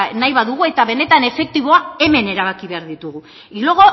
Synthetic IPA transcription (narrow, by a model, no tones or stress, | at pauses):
najβaðuɣue̞t̪aβe̞ne̞t̪ane̞fe̞k̚t̪iβo̞ae̞me̞ne̞ɾaβ̞akiβeaɾðit̪uɣu | iloɣo̞